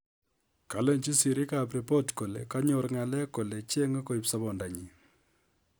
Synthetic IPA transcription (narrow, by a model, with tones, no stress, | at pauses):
ka˨lɛ˦nt͡ʃi˦si˨ɾi˦ka˨p̬ɾi˨pɔ˦tko˨le˨ka˦ɲo˨ɾŋa˨lɛ˦ko˨le˨t͡ʃe˦ŋa˦ko˦˨i˨psa˦βɔ˨nda˨ɲi˨